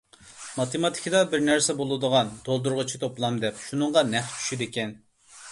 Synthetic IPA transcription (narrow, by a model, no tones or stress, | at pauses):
mɑt̪ʰɨmɑt̪ʰɪ̥kʰʲid̪ɑbɪɾnæɾsɛbolˠɨd̪əʁɑnd̪̥olˠd̪uɾʁʊt͡ʃʰi̥t̪ʰoplˠɑmd̪ɛpʃunɨŋʁɑnɛχt͡ʃʰy̥ʃid̪ekʲɛn